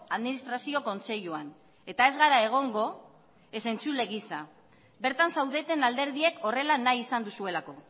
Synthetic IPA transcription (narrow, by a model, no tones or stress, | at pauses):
aðminist̪ɾasio̞ko̞nse̞ʎuan | e̞t̪ae̞zɣaɾae̞ɣ̞o̞ŋɡo̞ | e̞se̞nt͡sule̞ɣisa | beɾt̪ansawðe̞t̪e̞nald̪e̞ɾðie̞ko̞re̞lanajisand̪usue̞lako̞